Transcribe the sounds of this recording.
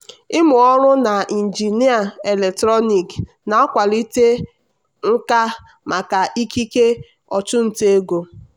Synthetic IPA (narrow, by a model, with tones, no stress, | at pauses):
ɪ˦mʊ˨ɔ˦ɾʊ˦na˨i˨n̩˨d͡ʒi˨ni˦a˨e˨le˨k̚tɾɔ˦ni˨k | na˨a˦kʷa˨li˦te˦ | ŋ̩˦ka˦ | ma˨ka˨ʔi˦ki˦ke˦ | ɔ˨tʊ˦n̩˨te˦e˦ɡo˨